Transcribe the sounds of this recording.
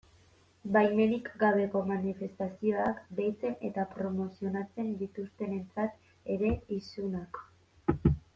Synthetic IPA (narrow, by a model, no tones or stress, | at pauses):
bajme̞nikɡaβ̞e̞ko̞manife̞st̪asio̞akbejt͡se̞ne̞̰t̪apɾo̞mo̞sio̞nat͡se̞nd̪it̪ust̪e̞ne̞nt͡sat̪ | e̞ɾe̞isunak